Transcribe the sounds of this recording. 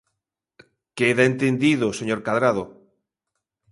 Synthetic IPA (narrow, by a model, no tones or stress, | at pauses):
keðaent̪end̪iðoseɲoɾkaðɾaðo